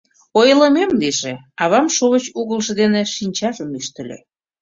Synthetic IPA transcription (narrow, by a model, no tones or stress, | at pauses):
ojlə̆memliʒe | ɑβɑmʃoβət͡ɕuɣəlʒĕd̪eneʃinʲt͡ɕɑʒəmyʃt̪ə̆lʲḛ